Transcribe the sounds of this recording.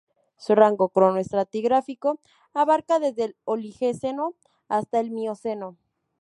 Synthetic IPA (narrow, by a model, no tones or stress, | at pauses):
suraŋɡo̞kɾonoest̪ɾat̪iɣɾafiko | aβaɾkaðe̞zðe̞lolixeseno̞ | ast̪aelmiose̞no̞